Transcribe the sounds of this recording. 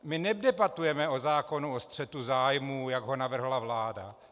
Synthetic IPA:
mɪnɛdɛbat̪ujɛmɛo̞zaːko̞nuost̪r̥ɛt̪uzaːjmuːjaɡɦo̞navr̩ɦlavlaːda̰

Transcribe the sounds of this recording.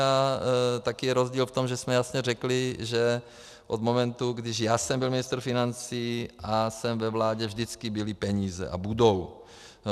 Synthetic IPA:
at̪akɪjɛɾozɟiːlft̪o̞mʒɛsmɛjasɲɛrɛklɪʒɛ | ʔod̪mo̞mɛnt̪uɡdɪʃjaːsɛmbɪlmɪnɪst̪ɾ̩fɪnant͡siːʔasɛmvɛvlaːɟɛvʒdɪt͡skɪbɪlɪpɛɲiːzɛ̰ʔa̰budow

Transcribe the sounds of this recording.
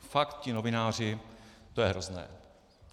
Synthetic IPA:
fakt̪̚cɪno̞vɪnaːr̝ɪt̪o̞jɛɦɾo̞znɛ̰ː

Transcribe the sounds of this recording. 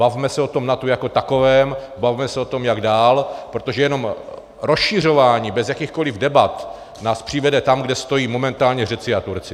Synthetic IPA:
bavmɛsɛo̞t̪o̞mnat̪ujako̞t̪ako̞vɛːm | bavmɛsɛo̞t̪o̞mjaɡdaːlpɾo̞t̪o̞ʒɛjɛno̞m | ɾosʃir̝o̞vaːɲiːbɛzjakixko̞lɪvdɛbat̪ | naːspr̥ɪvɛdɛt̪amɡdɛst̪o̞jiːmo̞mɛnt̪aːlɲɛr̝ɛt͡sɪat̪uɾt͡sɪ

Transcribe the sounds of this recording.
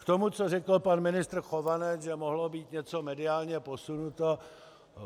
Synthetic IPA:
kt̪omut͡sorɛkl̩panmɪnɪst̪r̩xovanɛt͡sʒɛmoɦlobiːt̪ɲɛt͡so̞mɛdɪaːlɲɛpo̞sunut̪o

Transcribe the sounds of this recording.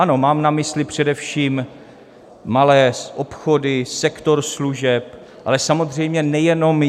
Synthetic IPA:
ʔano̞maːmnamɪslɪpr̝̥ɛdɛfʃiːm | alɛːʔopxodɪsɛkt̪o̞ɾsluʒɛp | ʔalɛsamo̞zr̝ɛjmɲɛnɛjɛno̞m

